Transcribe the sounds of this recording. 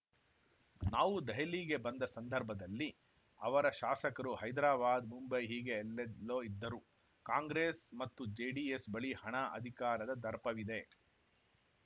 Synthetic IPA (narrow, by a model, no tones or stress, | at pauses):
naːʋud̪ɐɦɐliːɡe̞bɐnd̪ɐsɐnd̪ʱɐɾbʱɐd̪ɐlːi | ɐʋɐɾɐʃaːsɐkɐɾuɦɐjd̪ɾaːbaːd̪mumbɐjɦiːɡe̞ːlːelːoːid̪ːɐɾu | kaːŋɡɾeːsmɐt̪ːud͡ʒeːɖiesbɐɭihɐɳɐʔɐ̰d̪ʱikaːɾɐd̪ɐd̪ɐɾpɐʋid̪e̞